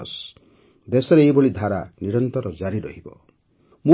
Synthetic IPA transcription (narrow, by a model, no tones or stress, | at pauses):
s | d̪esɔɾeːiboɭid̪ʱaɾaniɾɔnt̪ɔɾɔd͡ʒaɾiɾɔ̰ɦibɔ̰ | mu